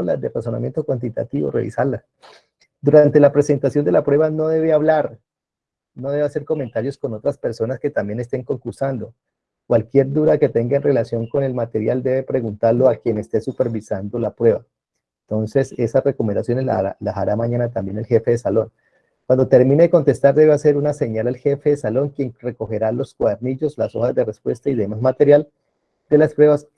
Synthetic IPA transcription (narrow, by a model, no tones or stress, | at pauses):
la̰d̪eraso̞na̰mje̞nt̪o̞kwant̪̬it̪a̰t̪iβo̰rḛβḭsaɾla | d̪uɾant̪e̞lapɾe̞se̞nt̪asjo̞nd̪e̞lapɾwe̞βano̞ðe̞βeaβlaɾ | no̞ðe̞βe̞ase̞ɾko̞ment̪aɾjo̞sko̞not̪ɾaspe̞ɾso̞naske̞t̪ambje̞ne̞st̪e̞ŋko̞ŋkuɾsand̪o̞ | kwalkje̞ɾd̪uðake̞t̪e̞ŋɡaenre̞lasjo̞ŋko̞ne̞lmat̪e̞ɾjald̪e̞βe̞pɾe̞ɣunt̪aɾlo̞akje̞ne̞st̪e̞supe̞ɾbisand̪o̞lapɾwe̞βa | ent̪o̞nse̞se̞sasre̞ko̞mẽnd̪asjo̞nezla̰alaaɾamaɲanat̪ambje̞nelxe̞fe̞ðe̞salo̞ŋ | kwand̪o̞t̪e̞ɾmĩneeko̞nt̪e̞st̪aɾd̪e̞βease̞ɾunase̞ɲalalxe̞feðe̞salo̞ŋkje̞ŋre̞ko̞xe̞ɾalo̞skwaðeɾniʝo̞slaso̞xazd̪e̞re̞spwe̞st̪aiðe̞mazmat̪e̞ɾjal | d̪̥e̞laspɾwe̞βas